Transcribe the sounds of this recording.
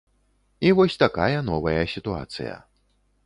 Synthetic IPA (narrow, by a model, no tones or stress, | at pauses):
ivɔsʲt̪akajɐnɔvɐjɐsʲit̪ua̰t̪sɨ̰jɐ̰